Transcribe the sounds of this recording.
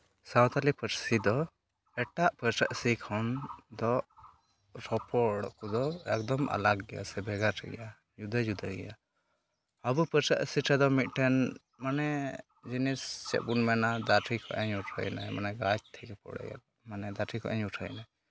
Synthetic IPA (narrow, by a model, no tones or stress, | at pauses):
sawt̪alipəʈsid̪ɔ | ɛʈaʔpəɾt͡ʃəʔsikʰɔnd̪ɔ | ɾɔpɔɽkud̪ɔɛk̚d̪ɔmʔa̰laɡɡɛja̰sɛbʱɛɡaʈʰɛ̰ɡɛ̰ja | d͡ʒud̪əd͡ʒud̪ʱəɡɛ̰ja | əbupəɾt͡ʃəʔsiʈʰɛd̪ɔmit̪̚ˀʈʰɛn | manɛ | d͡ʒinist͡ʃɛ̰ʔ̚bunmɛnad̪aʈʰikʰɔ̰ʔɛɲuʈʰə̰jnamanɛɡad͡ʒ̚t̪ʰɛkɛpɔ̰ɽɛ̰ɡɛ̰l | manɛd̪aʈʰikʰɔ̰ʔɛɲuʈʰə̰jnaj